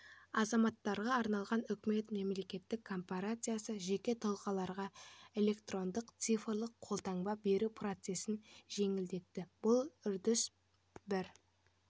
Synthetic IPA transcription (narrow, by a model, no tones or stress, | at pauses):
ɑzɑmɑt̪ːɑɾʁɑːɾnɑlˠʁɑnʏkʲme̞t̪me̞mle̞kʲe̞t̪ːɪkʰːo̞mpaɾat̪sɨjasəʒe̞kʲe̞t̪ʰɑlˠqɑlˠɑɾʁɑe̞le̞kt̪ro̞nd̪əqt̪sifrlˠəqʰolˠt̪ɑŋbɑbe̞ɾupʰrot̪se̞sɪnʒe̞ŋɪld̪e̞t̪ːɪb̥ʊlˠʏɾd̪ɪs | bɪɾ